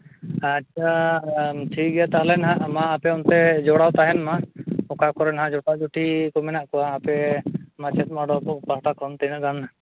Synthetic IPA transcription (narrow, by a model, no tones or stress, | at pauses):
aʃʰa | ʈʰik̚ɡɛjat̪aɦlɛnɦãʔmaːpɛɔnt̪ɛd͡ʒɔɽawt̪aɦɛnmaɔkakɔɾɛnɦãd͡ʒɔʈaʔd͡ʒuʈʰikɔmɛnaʔkɔwaːpɛmat͡ʃɛt̪̚maɖɔkɔpaɦʈakʰɔnt̪inəɡana